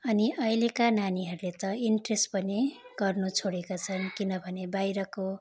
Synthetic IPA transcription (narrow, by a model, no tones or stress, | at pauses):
ʌniʔʌilekananiɦʌɾulet̪ʌinʈrespʌneɡ̥ʌrnut͡sʰoɽekat͡sʰʌnkinʌbʱʌnebajɾʌko